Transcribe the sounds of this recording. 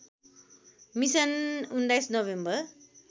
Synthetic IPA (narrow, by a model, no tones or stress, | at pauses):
misʌnund̪ajsnoβembʌr